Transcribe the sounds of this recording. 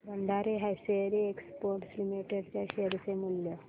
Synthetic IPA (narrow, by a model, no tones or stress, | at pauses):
bənd̪ʱaɾeɦajseɾiekspoɾʈslimiʈeɽt͡ɕjaɕeɾsemuljə